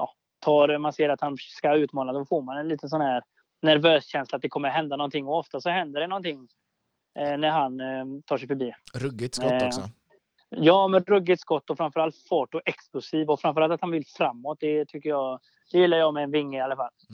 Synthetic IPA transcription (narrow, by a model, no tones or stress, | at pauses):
jɑ̰ː | t̪ʰɑːɾmanseːɾat̪hanskaʉ̟ːt̪mɑːlad̪ɔfoɾmanɛnliːt̪əns̬ɔnhæːɾ | næɾvøːsɕɛnslat̪̚d̪ɛkʰɔmːəɾɦɛnd̪anɔnt̪ʰɪŋːɔɔft̪asɔɦɛnd̪əɖɛnɔnt̪ʰɪŋː | næɾɦant̪ʰɑːʂɛjfœbiːɾɵɡɪt̪s | jɑːmɛnɾɵɡːɪt̪skɔt̪ːɔfɾamfœɾalt̪fɔʈːɔʔɛksklʊsiːvɔfɾamfœɾalt̪at̪hanvɪlfɾamːɔt̪̚d̪ɛt̪ʰʏkːəɾjɑː | d̪̥ɛjɪlːaɾjɑːmɛːnvɪŋːəɪalːafal